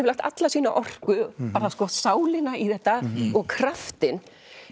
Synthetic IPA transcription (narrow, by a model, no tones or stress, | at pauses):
vɾlajht̪a̰t̪lasiːna̰ʔɔr̥kʏpaːɾaskɔsaːwlɪnaiθɛht̪ːaɔɣkʰɾaft̪ɪn